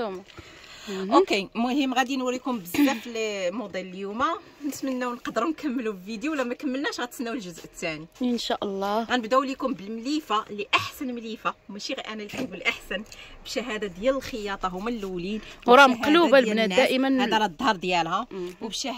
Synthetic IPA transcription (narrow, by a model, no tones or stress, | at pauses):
m | ʔokemʊhəmːɣæd̪inwəɾjkumbəzlæfilmod̪ˤeləljumæ | nət̪mənːæwnqɑd̪əɾunkəmːlubəvid̪juwlæmækəmːəlnæʃɣæt̪sənːæwəlʒʊzʔət̪ːæniənʃaʔəlˤːɑɣænəbd̪æwlikumbəlmlifalːiʔaħsənmlifamæʃiʔænælik̪ænɡulʔaħsænbʃæɦæd̪ad̪jæləlxəjɑt̪ˤɑɦumːælːwlinɾˤɑmhæqlubalbnææʔəmənhæd̪ælɑd̪ˤhɑɾˤd̪jælɦæwbʃæ